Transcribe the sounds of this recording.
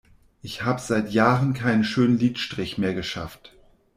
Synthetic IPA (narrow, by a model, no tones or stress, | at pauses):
ʔɪçhaːbəzaɪtjaːʁənkʰaɪnənʃøːnənliːtʃtʁ̥ɪçmeːɐɡəʃa̰ft